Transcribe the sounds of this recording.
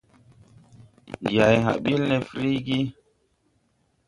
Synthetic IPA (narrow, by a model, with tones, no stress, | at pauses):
ja˨jɦa̰˨ɓi˦lnɛ˨fɾi˦ɡi˦